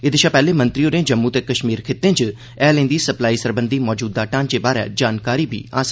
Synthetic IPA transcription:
ɪd̪ɪʃaːpɛːleːmə̃nt̪ɾioːɾẽːd͡ʒəmːuːt̪eːkəʃmiːɾkʰeːt̪ẽːt͡ʃ | ɛːlẽːnd̪iːsəplaːisəɾbə̃nd̪ʱiːmɔːd͡ʒuːd̪ːaːʈãːnd͡ʒeːbaːɾɛ̰ːd͡ʒaːnkaːɾiːbʱḭːa̰ːs

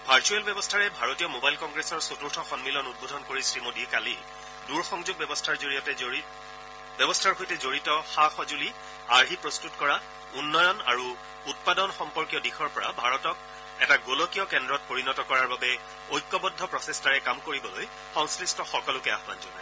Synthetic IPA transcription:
bʱaɹt͡ʃuɛlbjɛbɔstʰaɹɛbʱaɹotijɔmobajlkɔŋɡɹesɔɹsotuɹtʰɔxɔnmilɔnut̚bʱodʱɔnkoɹisɹimodikalil | duɹxɔŋzuɡ̚bbɔstʰaɹzoɹiɔtɛ | bɔbɔstʰaɹɦojtɛzoɹitɔxaxɔzuli | aɹɦipɹɔstutkɔɹa | unːɔjɔna̰ɹu | ut̚padɔnxɔmpɔɹkijɔdixɔɹpɔɹa̰bʱaɹɔtɔk̚ | ɛtaɡolɔkijɔkɛndɹɔt̚poɹinɔtɔkɔɹaɹbabɛ | ojkːɔbɔdʱːɔpɹɔsestʰaɹɛkamkoɹibɔloj | xɔŋskɹistʰɔxɔkɔlʊkɛa̰ɦba̰nzɔna̰j

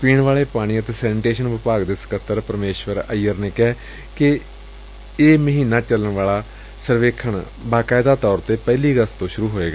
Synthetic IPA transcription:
piːɳʋaːleːpaːɽ̃iːət̪eːsɛːnːʈeːʃənʋɪpaːɡd̪ɪskət̪ːəɾpəɾmeːʃʋəɾəijːəɾneːkɛː | kɪ | eːməɦiːnaːt͡ʃələɳʋaːlaː | səɾʋeːkʰəɳ | baːkaːɪd̪aːt̪ɔːɾt̪eːpɛːliːɡəst̪õːʃʊɾuːɦoːeːɡaː

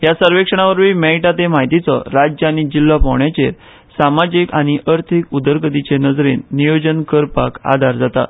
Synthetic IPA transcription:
ɦjasəɾʋekʂəɽ̃aʋəɾʋiːmɛiʈat̪emaɦit̪it͡sɔ̰ɾad͡ʑəaɽ̃id͡ʑilːapawɳjat͡ɕeɾ | samad͡ʑikaɽ̃iʔəɾt̪ʰikud̪əɾɡəd̪it͡ɕenəd͡zɾenːijod͡ʑənkəɾpa̰ka̰d̪ʱaɾd͡zat̪a̰

